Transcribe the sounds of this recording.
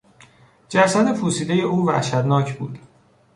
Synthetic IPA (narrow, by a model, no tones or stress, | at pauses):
d͡ʒæsæd̪efuːsiːd̪e̞je̞ʔuːvæ̰ʃæd̪nɒːcʰbuːd̪̥